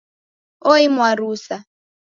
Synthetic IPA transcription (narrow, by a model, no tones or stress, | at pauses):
ɔimwaɾuːsa